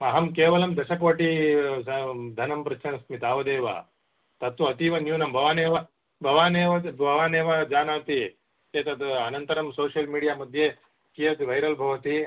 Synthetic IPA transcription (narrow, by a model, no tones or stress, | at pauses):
ɐɦɐmkeːʋɐlɐmd̪ɐʃɐkʋɐʈi | d̪ʱɐnɐmpɾɐt͡ʃʰɐnɐsmit̪aːʋɐd̪eːʋɐ̰ | t̪ɐt̪ʋɐɐt̪iʋɐnjuːnɐmbʱɐʋaːneːʋɐ | bʱɐʋaːneːʋɐbʱɐʋaːneːʋɐd͡ʒaːnaːt̪i | eːt̪ɐt̪ɐnɐnt̪ɐɾɐmsoːʃjɐlmiːɽijaːmɐd̪ʱje | kijɐt̪iʋɐjɾɐlbʱɐʋɐt̪i